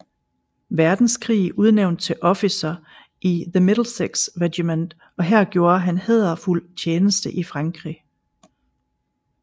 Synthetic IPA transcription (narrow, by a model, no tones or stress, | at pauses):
ʋæɐd̥n̩skʰʁḭːuð̞ˠneʊnd̥̚t͡sʰe̝lʔɒ̽fisɐ | ʔiðəmed̥l̩seɡ̥sʁedimend̥ | ɒ̽ɦæɐ̰ɡ̥jo̝ːɐɦænheðˠɐful̰t͡ɕʰeːnəsd̥əʔifʁɑ̈ŋɡ̥ʁḭ